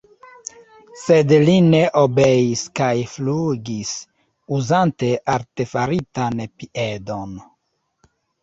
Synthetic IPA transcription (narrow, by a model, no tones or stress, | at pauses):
sed̪lineʔobeiskajfluɡis | uzante̞ʔaɾte̞faɾitanpiʔedo̞n